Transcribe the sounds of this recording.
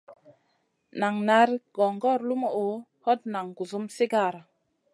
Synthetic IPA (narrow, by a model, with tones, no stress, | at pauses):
na˨ŋna˨˦ɾɡ̥ɔ˨ŋɡɔ˦˨ɾlu˦mo˨o˨ | hɔ˦t̚na˨ŋɡu˨zu˦msi˦ɡa˦˨ɾa˨